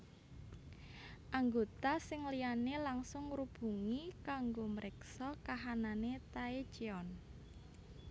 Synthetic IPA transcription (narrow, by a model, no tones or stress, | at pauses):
ʔaŋɡot̪asɪŋlianelaŋsʊŋrub̥ṳŋikaŋɡoməɾʔɪksɔkaɦananet̪aet͡ʃiɔn